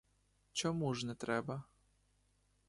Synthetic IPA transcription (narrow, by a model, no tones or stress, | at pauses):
t͡ɕɔmuʐnɛt̪ɾɛbɐ